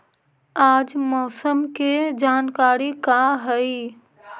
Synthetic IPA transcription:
aːd͡ʒmɔːsəmked͡ʒaːnkaɾikaɦəi

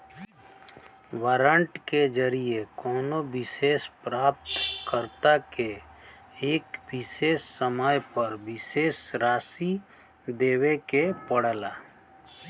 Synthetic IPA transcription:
ʋaɾə̃ɳʈked͡ʒəɾiekɔːnobɪseːspɾaːp̚t̪kəɾt̪ake | eːkbɪseːssəmaːjpəɾbɪseːsɾaːsi | d̪eːwekepəɽlaː

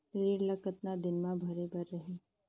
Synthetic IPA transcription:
ɾeːɽlɐkət̪nad̪ɪnmãbʱɐɾebəɾːɐɦeː

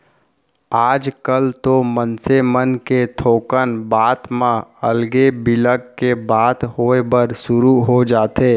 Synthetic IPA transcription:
aːd͡ʒkəlt̪omənsemənket̪ʰoːkənbaːt̪mãəlɡebɪləɡkebaːt̪ɦoːebəɾʃʊɾuɦod͡ʒaːt̪eː

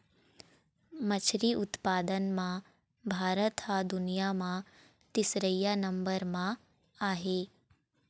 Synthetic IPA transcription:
mɐt͡ʃʰɾiːʔut̪paːd̪ənmã | bʱaːɾət̪ɦad̪unijamã | t̪isɾəjːanɐmbəɾmã | aːɦe

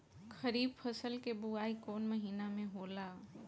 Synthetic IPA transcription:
kəɾiːb̚pʰɐsəlkebuaːikɔːnmɐɦiːnamẽɦoːlaː

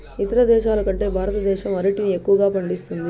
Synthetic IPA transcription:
it̪ɐɾɐd̪ɛːʃaːlɐkɐɳʈe̞ːbʱaːɾɐt̪ɐd̪ɛːʃɐmɐɾɐʈinie̞kːuʋɐɡaːpɐɳɖist̪und̪i

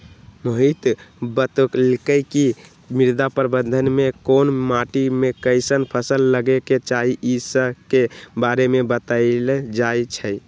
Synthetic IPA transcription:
moɦit̪bət̪oklkəɪki | miɾd̪apəɾbənd̪ʱənmekonmaʈimekəɪsənpʰəsəlːəɡeket͡ʃaɦiʔisəkebaɾemebət̪aɪled͡ʒajt͡ʃʰə

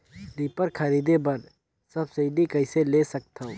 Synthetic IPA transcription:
ɾiːpəɾkʰɐɾiːd̪ebɐɾ | sɐbsɐɪɖikɐɪselesɐk̚t̪ʰao

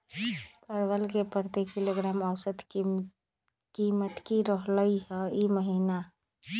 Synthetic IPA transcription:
pəɾʋəlkepəɾt̪ekiloɡɾaməʊsəd̪ | kimət̪kiɾəɦləjɦɛiməɦina

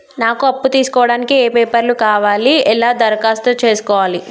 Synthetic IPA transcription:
naːkuɐpːut̪iːsu̥kɔːʋɐɽaːnikieːpeːpɐɾlukaːʋaːliɛlaːd̪ɐɾɐkaːst̪ut͡ʃe̞ːsu̥kɔːʋaːli

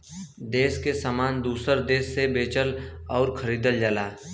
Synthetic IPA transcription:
d̪eːskesamaːnd̪uːsəɾd̪eːsːebeːt͡ʃəlɔːɾkʰəɾiːd̪əld͡ʒəlaː

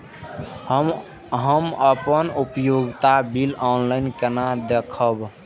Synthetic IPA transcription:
ɦəməpənupjoɡt̪abilɔnlaɪnkenad̪ekʰəb

